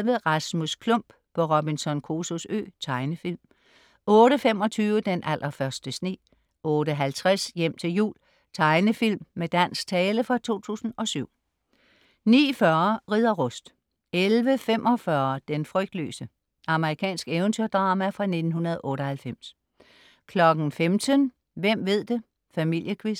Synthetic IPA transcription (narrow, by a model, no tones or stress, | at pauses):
ʋəʁɑsmuskʰlɔm̰b̥ | pʰɒʁɑbinsɒ̽nkʰo̝sosø̰ːt͡sʰɑ̈ɪnəfil̰m | ɔ̽ːɾ̥əfemɒ̽t͡sʰyːʊəd̥enʔælʔɐfɶɐsd̥əsnḛː | ɔːɾəɦælt͡sʰʁasjem̰t͡sʰe̝ljṵːl | t͡sʰɑ̈ɪnəfil̰mːed̥æn̰sɡ̥t͡sʰɛːləfʁɑ̈t͡sʰo̝̰ːt͡sʰṵːsn̩ɒ̽syʊ̰ | nḭːfɶɐʁiðˠɐʁɔ̽sd̥ | elʋəfemʔɒ̽fɶɐd̥enfʁœɡ̥̚d̥lø̰ːsə | ɑ̈məʁikʰɛ̰ːnsɡ̥eʊnt͡sʰøɐ̰d̥ʁɑ̈ːmæfʁɑ̈ne̝d̥n̩hunɐðˠʔɔ̽ːɾɒhælfem̰s | kʰlɒ̽ɡ̥n̩femt͡sʰən | ʋem̰ʋe̝ð̞̰ˠd̥e̝ | fæmil̰jəkʰʋis